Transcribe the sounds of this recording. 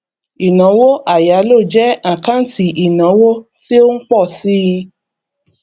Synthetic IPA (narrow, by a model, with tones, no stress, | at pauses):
i˨nã˨˦wo˦ʔa˦˨ja˨˦lo˦˨d͡ʒɛ˦ã˨kã˦n̩˦tʰi˨ʔi˨nã˨˦wo˦ti˦o˦ŋ̩˦k͡pɔ˦˨si˦i˧